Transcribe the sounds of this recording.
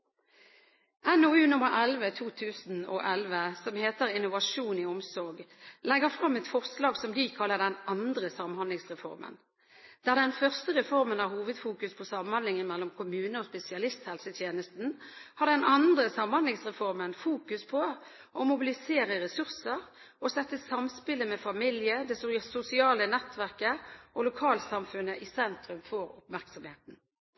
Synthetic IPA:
ʔɛnʊʉːnʊmːəʁɛlʋət̪ʰuːt̪ʰʉːsn̩ɔ̰ʔɛlʋəsɔmheːt̪əʁɪnʊʋɑʂuːnɪɔmsɔʁɡlɛɡəʁfʁɑmːɛt̪fɔʁslɑːɡsɔmd̪ikʰɑlːəd̪ɛnɑnd̪ʁəsɑmənhɑnd̪lɪŋsʁɛfɔ̰ʁmə̰n | d̪̥æʁd̪ɛnfœʁst̪əʁɛfɔʁmənɑʋhuːʋəd̪fuːkʉspʰɔsɑmənhɑnd̪lɪŋənmɛlːɔmkʰʊmʉːnəɔspɛsɪɑlɪst̪hɛlsət̪ʰjeːnəst̪n̩hɑʁd̪ɛnɑnd̪ʁəsɑmhɑnlɪŋsʁɛfɔʁmənfuːkʉspʰɔ | ɔmʊbɪlɪseːʁəʁɛsʉʁsəʁ | ɔsɛt̪ːəsɑmspɪlːəmɛfɑmɪljəd̪ɛsʊsɪɑːlənɛt̪ʋæʁkəɔlʊkʰɑːlsɑmfʉnːəʔɪsɛnt̪ɾʉmfɔɾɔpmæʁksɔmheːt̪n̩

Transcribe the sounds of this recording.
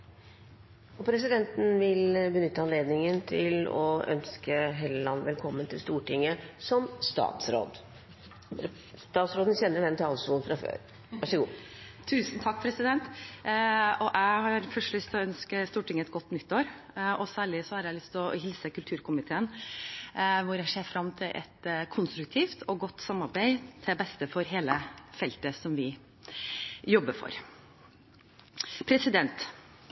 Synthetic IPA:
ɔpʰɾɛs̬ɪd̪ɛnt̪n̩ʋɪlbənʏt̪ːəɑnleːd̪nɪŋənt̪ʰɪlɔ̰œ̰nskəɦɛlːəlɑnʋɛlkʰɔmːənt̪ʰɪlst̪uːʈɪŋːəsɔmst̪ɑ̰ːt̪sɾo̰ːd̪ | st̪ɑːt̪sɾoːd̪n̩ɕɛnːəɖɛnt̪ʰɪɑlsuːnfɾɑfø̰ːɾ | ʋæʂəɡuː | t̪ʰʉːsnt̪ʰɑk̚ːpʰɾɛsɪd̪ɛnt̪ | ɔʔæɪhɑɾfœʂʈlʏst̪ʰlɔœnskəst̪uːʈʰɪŋːəɛt̪̚ɡɔt̪ːnʏt̪ʰːoːɾ | ʔɔsæːɭɪsɔhɑɾæɪlʏst̪ɔɦɪlsəkʉlt̪ʰʉːɾkʊmɪt̪ʰeːən | ʋʊɾæseːɾfɾɑmt̪ʰɪlʔɛ̰t̪kʰʊnst̪ɾʉkt̪ʰiːft̪ʰɔɡɔt̪ːsɑmːɑɾbæɪd̪ʰɛbɛst̪əfɔɾɦeːləfɛlt̪əsɔmʋɪ | jɔbːəfɔ̰ɾ | pʰɾɛsɪd̪ɛnt̪

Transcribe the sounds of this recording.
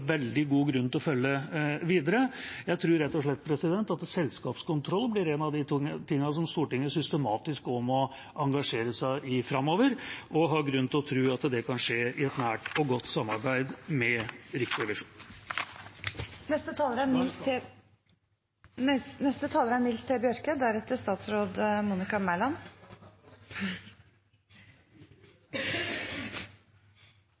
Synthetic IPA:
ʋɛld̪ɪɡuːɡɾʉnːt̪ɪlɔfœlːəʋiːd̪əɾəjæɪt̪ʰɾʉːɾɛt̪ːɔʂɭɛt̪̚ːpʰɾɛsɪd̪ɛnt̪ɑt̪sɛlskɑːpskʊnt̪ʰɾɔlːblɪɾɛnɑʋd̪ɪt̪ŋːt̪ʰɪŋːənəs̬ɔmst̪uːʈɪŋːəsʏst̪əmɑːt̪ɪskɔmɔ | ʔɑŋɡɑʂeːɾəsæɪʔɪfɾɑmːoːʋəɾʔɔɦɑɾɡɾʉnt̪ʰɪlɔt̪ʰɾʉːɑt̪d̪ɛkʰɑnʂeːɪɛt̪næːʈɔɡɔt̪ːsɑmːɑɾbæɪd̪mɛɾɪkt̪ɪɛʋɪʂuːn | nɛst̪ət̪ʰɑːləɾæ | nɛst̪ət̪ʰɑːləɾəænɪlst̪ʰeːbɪœɾkəd̪æɾɛt̪ːəst̪ɑːt̪sɾoːd̪muːnɪkɑmælɑn

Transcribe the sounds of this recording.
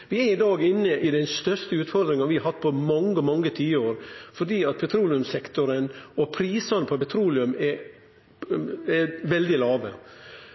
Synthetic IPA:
ʋɪæɾɪd̪ɑːɡɪnːəʔɪd̪ɛnst̪œʂt̪əʉːt̪fɔɾd̪ɾɪŋɑʋɪɑɾɦɑt̪ːpʰɔmɑŋːɔmɑŋːət̪ʰiːəoːɾfɔɖiːɑt̪̚pʰɛt̪ʰɾuːlɪʉmsɛkt̪ʊɾənɔpʰɾiːsɑnəpʰɔpɛt̪ʰɾuːlɪʉmɛ | ɛʋɛld̪ɪlɑːʋə̰

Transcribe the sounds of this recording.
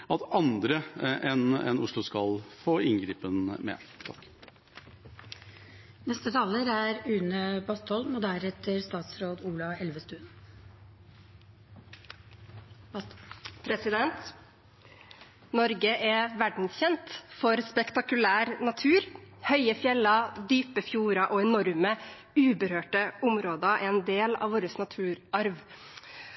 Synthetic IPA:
ʔɑt̪ɑnd̪ɾəʔɛnɛ̰nʊʂlʊskɑlfoːɪŋɡɾiːpənmɛ̰t̪ʰɑkː | nɛst̪ət̪ʰɑːləɾæɾʉːnəbɑst̪ʰɔlmɔd̪æɾɛt̪ʰəɾst̪ɑːt̪sɾoːd̪uːlɑɛlʋəst̪ʉn | pʰɾɛsɪd̪ɛnt̪ | nɔɾɡəʔɛʋæɖɳ̩sçɛnt̪fɔɾspɛkt̪ɑkʉlæːɾnɑt̪ʰʉːɾhœʏəfjɛlːɑd̪yːpəfjuːɾɑʔɔɛnɔɾmə | ʉːbəɾøːʈəʊmɾoːd̪əʔɛnd̪eːlɑ̰ʋoːɾəsnɑt̪ʰʉːɾɑɾʋ

